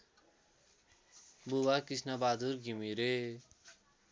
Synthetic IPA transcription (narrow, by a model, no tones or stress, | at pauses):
bubakisnʌbad̪uɾɡʱimiɾe